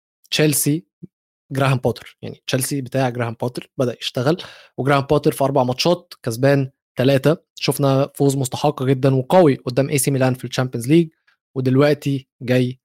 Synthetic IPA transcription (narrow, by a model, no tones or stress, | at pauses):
t͡ʃælsi | ɡɾæɦæmpɑːt̪e̥ɾja̰ʕnit͡ʃælsibet̪æːʕɡɾæːhæmpɑːt̪eɾbæd̪æʔjeʃt̪æɣælweɡɾæːhæmpɑːt̪eɾfiʔɑɾˤbɑʕmɑt̪ʃɑːt̪̚kæzbæːn | t̪ælæːt̪æ | ʃofnæfoːzˤmost̪ɑ̥ħɑqːɑɡed̪ːænweqɑwiʔod̪ːæːmʔeːsimelænfilt͡ʃæmpijænzliːɡ̚ | wed̪elwæʔt̪i | ɡæjː